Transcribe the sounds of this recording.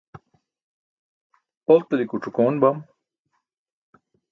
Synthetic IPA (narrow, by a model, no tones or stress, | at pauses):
ot̪ɐlikuʈ͡ʂʰukoːnbɐm